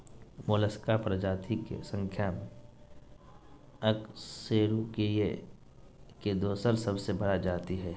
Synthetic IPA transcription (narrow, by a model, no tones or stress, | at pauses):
moːləskaːpɾəd͡ʒaːt̪ʰikḛsə̃ŋkʰjame | əkseːɾukee | ked̪oːsəɾsɐbsebɐɽad͡ʒaːt̪iɦɛː